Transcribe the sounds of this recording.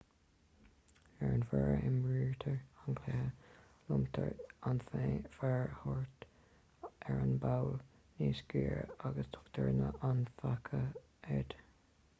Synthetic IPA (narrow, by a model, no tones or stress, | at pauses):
ɛɹənfɛɹəʔɪmɹiːɹt̪ʰəɹankʰlɛhə | lʊmt̪ʰəɹanθefɛɹəhɔɹt̪ | ɛɹənbaw | niːsɡiːɹə̰aɡəst̪ʰʊ̥kt̪ʰəɹnəʔanfakʰə | ɛd̪̥